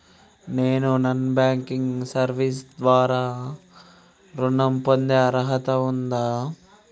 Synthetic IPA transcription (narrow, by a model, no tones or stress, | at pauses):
neːnunɐnbaːŋkiŋɡsɐɾʋisd̪ʋaːɾaː | ɾunɐmpond̪eɐɾɐɦɐt̪ɐund̪aː